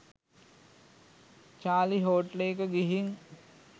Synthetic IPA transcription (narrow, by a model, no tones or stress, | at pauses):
t͡ʃaːliɦoːʈlekəɡiɦiŋ